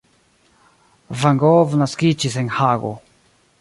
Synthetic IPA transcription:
vaŋɡovnaskit͡ʃiseŋhaɡo̰

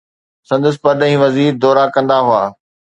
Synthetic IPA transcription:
sɐ̃nd̪əs̬pɐɾɗə̃ɦĩːʋɐziːɾd̪ɔːɾakɐ̃nd̪aɦʊaː

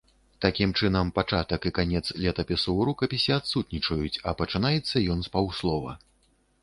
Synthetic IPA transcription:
t̪akʲimt͡ʂɨnɐmpat͡ʂat̪ɐkɨkanʲɛt̪slʲɛt̪ɐpʲɛsuɾukɐpʲisʲiat̪sut̪nʲit͡ʂɐjut͡sʲɐpɐt͡ʂɨnajɛt̪sːɐjɔnspawslˠɔvɐ̰

